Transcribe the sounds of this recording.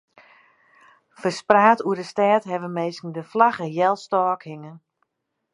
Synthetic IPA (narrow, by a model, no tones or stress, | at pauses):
fərspraːtuədəstɛːtɦɛʋəmejskən̩dəflaɣəjɛlˠstɔːkhɪŋən